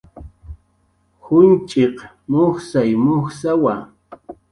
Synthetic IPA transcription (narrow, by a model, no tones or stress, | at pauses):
hʊnt͡ʃʼeq | moχsajmoχsawa